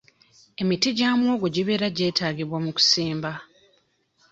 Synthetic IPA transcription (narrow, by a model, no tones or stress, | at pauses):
e̞mitiɟaːmwo̞ːɡoɟiβe̞ːɾaɟe̞ːtaːɡiβwamuku̥siːmba